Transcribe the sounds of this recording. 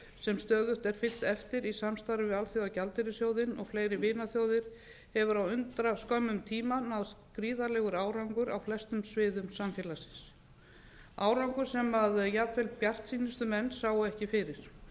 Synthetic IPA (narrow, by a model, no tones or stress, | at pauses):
sɛmst̪œːðʏht̪ɛɾ̥fɪlt̪ɛft̪ɪɾisamst̪aɾʏvɪðalθjowðacalt̪ɪɾɪsjowðɪnɔ̰ɣfleːjɾɪvɪːnaθjowðɪɾ̥ | hɛvʏɾawʏnt̪ɾaskœmːʏmt̪ʰiːmanawðskɾiːðalɛɣʏɾaːwɾawŋkʏɾa̰wflɛst̪ʏmsvɪːðʏmsamfjɛlasɪ̥ns | aːwɾawŋkʏɾ̥sɛmaðjapfɛlpjar̥t̪siːnɪst̪ʏmɛnːsaːwʏɛhcɪfɪɾɪɾ̥